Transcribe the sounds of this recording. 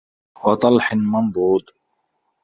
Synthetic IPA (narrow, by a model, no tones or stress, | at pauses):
wɑt̪ˤɑlħɪnmambuːd̪